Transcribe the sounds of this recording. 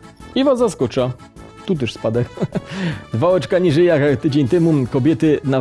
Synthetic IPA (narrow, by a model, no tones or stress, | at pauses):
ivazːaskɔt͡ʂa | t̪ut̪̬ɛʂspad̪ɛ | d̪vaɛt͡ʂkaɲiʐɛjjakt̪ɘd͡ʑeɲt̪ɛmukɔbʲjɛt̪ɘna